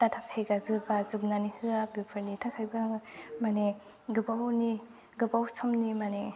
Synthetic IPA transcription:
tatʰakʰajɡazɯbazɯb̚nanihɯaɡɯpʰɯɾnitʰakʰajbamaneɡɯbawni | ɡɯbawsʰɔmnimane

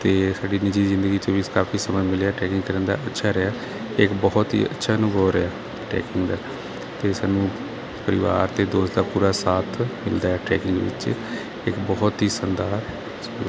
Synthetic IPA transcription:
t̪eːsaːɖiːnɪd͡ʒiːzɪ̃nd̪əɡiːt͡ʃõːʋikaːfʰiːsəməːmɪleaːʈɛːkɪ̃ŋɡkəɾənd̪a̰ːətːʃʰaːɾəaː | ɪkbɔːt̪ɦḭːə̰tːʃʰaːnũːboːɾeaː | ʈɛ̰ːkɪŋɡd̪aː | t̪eːsaːnːũː | pəɾɪʋa̰ːɾt̪eːd̪oːsd̪aːpuːɾaːsaːt̪ʰmɪ̰ld̪aːɛːʈɾɛ̰ːkɪŋɡ̰ʋɪ̰t͡ʃ | ɪkbɔːt̪ɦiːsənd̪aːɾ | s

